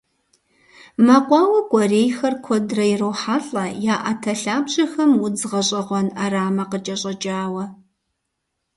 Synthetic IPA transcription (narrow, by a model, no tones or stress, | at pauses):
mɐqʷɑːwɐkʷʼɔreːjxɐrkʷʰɔdrɐjɪroːħaːɬʼɐjaːʔatʰɐɬaːbɕʼɪxɐmwʊd͡zʁɐɕʼɐʁʷɔnaraːmɐqət͡ʃʼɐɕʼɐd͡ʒʼaːwɐ